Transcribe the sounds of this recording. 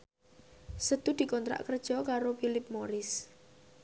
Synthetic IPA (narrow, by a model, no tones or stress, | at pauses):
sət̪ud̪̥i̤kɔnt̪ɾa̰ʔkərd̥ʒ̥ɔkaɾofilɪp̚moɾɪs